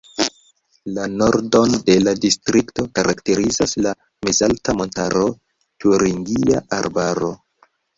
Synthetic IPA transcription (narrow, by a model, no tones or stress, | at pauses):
lano̞ɾdo̞nde̞ladistɾikto̞kaɾʔakte̞ɾizasla | mezaltamo̞ntaɾo̞ | tuɾiŋɡia̰ʔaɾbaɾo̞̰